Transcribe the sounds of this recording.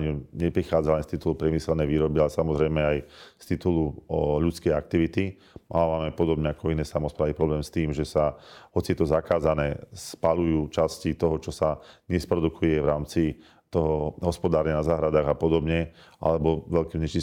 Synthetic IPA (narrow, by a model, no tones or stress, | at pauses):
ɲuɲɛpɾixaːd͡zalɛnst̪it̪ulupɾjɛmisɛlnɛjʋiːɾɔbialɛsamɔzɾɛjmɛajst̪it̪uluʎut͡skɛjak̚t̪iʋit̪i | mʔaːʋaːmɛpɔd̪ɔbɲɛakɔinɛːsamɔspɾaːʋipɾɔblɛːmst̪iːmʒɛsaɦɔt͡siɛt̪ɔzakaːzanɛːspaʎujuːt͡ʃascit̪ɔɦɔt͡ʃɔsaɲɛspɾɔd̪ukʰujɛʋɾaːmt͡si | t̪ɔɦɔɦɔspɔd̪aːɾɲanazaːɦɾad̪aːɣapɔd̪ɔbɲɛ | ʔa̰lɛbɔʋɛlkɛvɲɛt͡ʃi